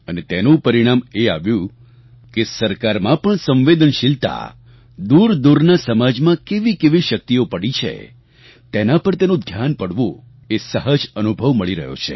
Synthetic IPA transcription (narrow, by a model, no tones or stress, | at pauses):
ənet̪enũpəɾiɽ̃ameaʋjũ | kesəɾkaɾmãpəɳsə̃mʋed̪ənʃilt̪a̰ | d̪uɾd̪uɾnasəmad͡ʒmãkeʋikeʋiʃək̚t̪iopəɽit͡ʃʰḛ | t̪enapəɾt̪enũd̪ʱjanpəɽʋo | esəɦəd͡ʒənubʱəʋməɭiɾə̰ɦjo̰t͡ʃʰḛ